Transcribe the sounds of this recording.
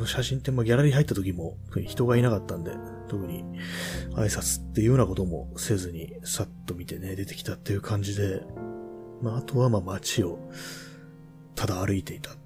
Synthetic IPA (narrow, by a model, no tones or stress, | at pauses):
noɕaɕĩnt̪ːe̞maɡʲaɾaɾʲiɦait̪ːat̪o̞kʲimo̞o̥kɯ̟ɲ̟içi̥t̪o̞ɡainakat̪ːãnd̪e̞̰ | t̪o̞kɯ̟ɲ̟ḭ | a̰isat͡sɨ̥t̪ːe̞jɯ̟jo̞nako̞t̪o̞mo̞̰se̞ːzɨɲ̟ḭ | sat̪ːo̞mʲit̪e̞ne̞d̪e̞t̪e̞kʲi̥t̪at̪ːe̞jɯ̟kʰãɲ̟d͡ʑid̪e̞ | maːt̪o̞βamamat͡ɕio̞ | t̪ʰad̪aːɾɯ̟it̪e̞it̪ḁ